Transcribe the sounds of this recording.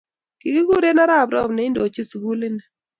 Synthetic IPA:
ki˨ki˦ɡu˦ɾe˦na˦ɾa˦˨bɾɔ̰˦˨bne˨i˦ndo˨t͡ʃi˦sɡu˦lɪ˦nɛ˨

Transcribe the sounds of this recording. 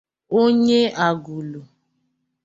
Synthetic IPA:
o˦ɲe˦a˨ɡu˨lu˨

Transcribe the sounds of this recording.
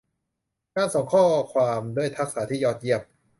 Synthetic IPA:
kaː˧nso˨˩˦ŋkʰɔː˥˩kʰwaː˧mdu˥˩əjt̪ʰa˦˥k̚saː˩˦t̪ʰiː˥˩jɔː˧˩t̪̚ji˥˩əp̚

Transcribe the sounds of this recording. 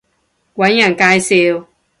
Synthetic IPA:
wʷa˨˦ɲ˦a˦˨ŋ̩˨ka˦i˦se˦o˦

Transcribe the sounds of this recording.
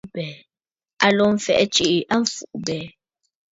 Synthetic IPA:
bɛ˨ | a˦lɔ˦m̩˨fɛ̰˨ʔt͡ʃi˦ʔʔa˦ɱ̩˦˨fu˨ʔbɛ˨

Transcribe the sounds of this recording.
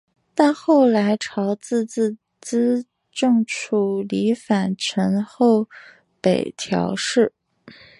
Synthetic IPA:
t̪a˥˧nxo˥˩ʊla˧˥ɪʈ͡ʂʰɑ˧˥ʊt͡sɹ̩˥˧t͡s̩˥˧ | t͡sɹ̩˥ | ʈ͡ʂɤ˥˧ŋʈ͡ʂʰu˥˩li˧˥fa˨˩nʈ͡ʂʰə˧˥nxo˥˩ʊ | pe˨˩ɪt̪ʰjɑ̰˧˥ʊʂɻ̩˥˩

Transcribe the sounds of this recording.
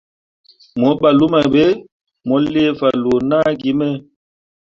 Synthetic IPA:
mɔ˨˦ɓa˨lu˦ma˨be˦ | mɔ˨˦le˦˨fa˨lo˨na˦ɡi˦mɛ˦˨

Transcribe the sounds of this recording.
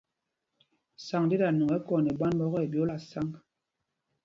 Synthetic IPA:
sa˨ŋdi˦da˨nu˨ŋɛ˦kɔ˨ne˨ba˦nbɔ˦ɣɔ˦e˨bjo˦la˨sa˦ŋ

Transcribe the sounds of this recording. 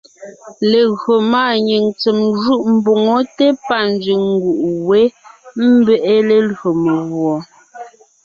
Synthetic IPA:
le˨ɣɰo˨maː˦˨ɲi˨ŋt͡se˨mʒu˦ʔm̩˨bo˨ŋo˦te˦pa˦˨n˦d͡ʒɥi˨ŋ̩˦ɡu˨ʔwe˨˦m̩˦bɛ˦ʔe˦le˨lo˨me˨ɣwɔ˨

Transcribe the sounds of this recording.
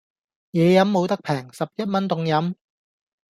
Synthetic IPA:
jɛː˨˧jɐ˨˥mːo˨˧wt̪ɐ˥k̚pʰɛː˨˩ŋsɐ˨p̚jɐ˥t̚mɐ˥nt̪ʊ˨˧ŋjɐ˨˥m

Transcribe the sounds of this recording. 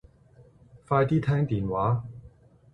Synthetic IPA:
faː˧jt̪iː˥t̪ʰɛː˥ŋt̪iː˨nwaː˨˥

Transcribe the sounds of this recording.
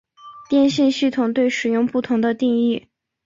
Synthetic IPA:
t̪jɛ˥˧nɕi˥˧nɕi˥˩t̪ʰʊ˨˩ŋt̪we˥˩ɪʂɻ̩˨˩jʊ˥˧ŋpu˥˩t̪ʰʊ˧˥ŋd̪ə˧t̪i˥˧ŋi˥˩

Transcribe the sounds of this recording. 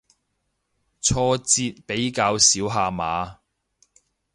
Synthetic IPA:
t͡sʰɔː˧t͡siː˧t̚pe˨˥jkaː˧wsiː˨˥wɦaː˧maː˨˧

